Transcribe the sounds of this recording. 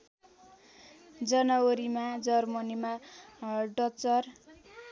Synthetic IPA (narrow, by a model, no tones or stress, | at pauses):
d͡zʌnʌwoɾimad͡zʌrmʌnima | ɖʌt͡sʌr